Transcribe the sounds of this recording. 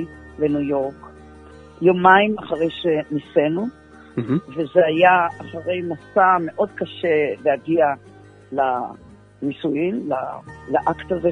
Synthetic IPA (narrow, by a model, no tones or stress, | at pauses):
lenujo̞ʁk | jomaimaχaʁe̞jʃenisenu | vezeajaaχaʁe̞jmasame̞ʔo̞d̚kaʃelejaɡia | la | nisujimla̰laʔakt̪aze